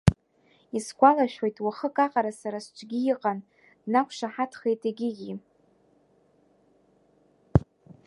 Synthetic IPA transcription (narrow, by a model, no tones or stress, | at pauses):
iskʷalaʃᶣejtʼwaχəkʼaqʼaɾasaɾast͡ʃʷʰʼɡʲijiqʼan | dnakʷʰʂaħatʰχejtʰʼeɡʲɪɡʲi